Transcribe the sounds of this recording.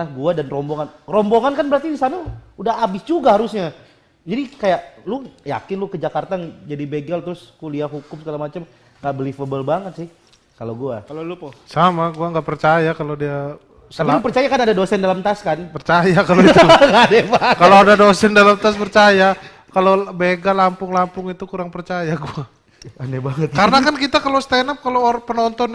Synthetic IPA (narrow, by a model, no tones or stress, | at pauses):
aɡuadanrɔmboŋanrɔmboŋankanbəɾart̪idisanaudaɦabɪsd͡ʒuɡahaɾusɲa | d͡ʒadikajaʔlʊja̰kɪnlʊkəd͡ʒakart̪aŋd͡ʒadibeɡalt̪ɾʊskuliaɦukʊmsəɡalamat͡ʃam | ŋɡaʔbəlifəbəlbaŋət̪̚sɪh | kaloɡuaalolusamaɡuaŋɡapərt͡ʃajakalodia | sətalialupərt͡ʃajakanadadosɛndalamt̪askanpərt͡ʃajakaloiŋadɛpakaloadadosɛndalamt̪aspərt͡ʃaja | kalobeɡalampʊŋlampʊŋit̪ukuɾaŋpərt͡ʃajaɡua | adɛbaŋət̪̚kaɾənakankit̪akalosə̥t̪enap̚kalopənɔnt̪ɔn